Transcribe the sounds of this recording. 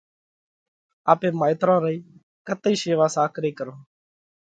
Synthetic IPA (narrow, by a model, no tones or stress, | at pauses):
aːpẽːmaːɪt̪ɾãːɾəiː | kət̪ːiːʃeːʋaːsaːkʰɾeːkəɾõː